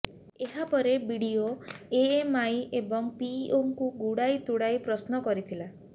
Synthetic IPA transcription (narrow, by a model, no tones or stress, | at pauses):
eɦapɔɾebiɽioeemajebɔŋpioŋkuɡuɽajt̪uɽajpɾɔsnɔkɔɾit̪ʰila